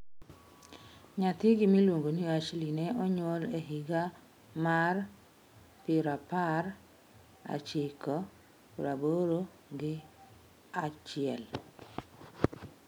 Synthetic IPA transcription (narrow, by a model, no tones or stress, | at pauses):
ɲat̪iɡɪmilwoŋɡoniat͡ʃlinɛʔɔɲwɔleɦiɡa | mar | pɪɾapar | a̰t͡ʃɪkɔ | puɾaboɾo | ɡɪ | at͡ʃɪɛl